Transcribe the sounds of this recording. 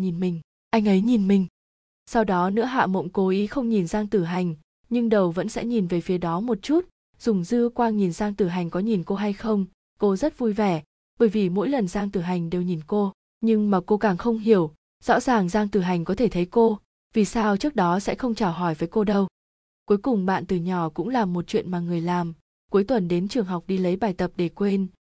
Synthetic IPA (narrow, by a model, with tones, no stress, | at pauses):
ɲi˨˩nmï˨˩ŋ̟ | ʔa˧jŋ̟ʔə˨˦jɲi˨˩nmï˨˩ŋ̟ | sa˧wɗɔ˨˦nɨ̰˧˥əɦa̰ː˧˨mo̰˧˨ŋ͡mko˨˦ʔi˨˦xə˧wŋ͡mɲi˨˩nzaː˧ŋt̪ɨ˨˩ɦa˨˩jŋ̟ | ɲɨ˧ŋɗə˨˩wvə̰˧˥nsɛ̰˧˥ɲi˨˩nve˨˩fi˨˦əɗɔ˨˦mo˨˩t̚t͡ɕu˦˥t̚ | z̥ʊ˨˩ŋ͡mzɨ˧əkwaː˧ŋɲi˨˩nzaː˧ŋt̪ɨ˨˩ɦa˨˩jŋ̟kɔ˨˦ɲi˨˩nko˧ɦa˧jxə˧wŋ͡m | ko˧zə˦˥t̚vu˧jvɛ˧˩ | ɓəː˧˩jvi˨˩mo̰˧˥jlə˨˩nzaː˧ŋt̪ɨ˨˩ɦa˨˩jŋ̟ɗe˨˩wɲi˨˩nko˧ | ɲɨ˧ŋmaː˨˩ko˧kaː˨˩ŋxə˧wŋ͡mɦi˧˩əw | z̥ɔ̰˧˥zaː˨˩ŋzaː˧ŋt̪ɨ˨˩ɦa˨˩jŋ̟kɔ˨˦t̪ʰe˧˩t̪ʰə˨˦jko˧ | vi˨˩saː˧wt͡ɕɨ˦˥ək̚ɗɔ˨˦sɛ̰˧˥xə˧wŋ͡mt͡ɕaː˨˩wɦɔ˧˩jvəː˨˦jko˧ɗə˧w | ku˨˦jkʊ˨˩ŋ͡mɓa̰ː˧˨nt̪ɨ˨˩ɲɔ˧˩kʊ̰˧˥ŋ͡mlaː˨˩mːo˨˩t̚t͡ɕwḭ˧˨ənmaː˨˩ŋɨ˨˩əjlaː˨˩m | ku˨˦jt̪wə˨˩nɗe˨˦nt͡ɕɨ˨˩əŋɦa˨˩wk͡p̚ɗi˧lə˨˦jɓaː˨˩jt̪ə˨˩p̚ɗe˧˩kwe˧n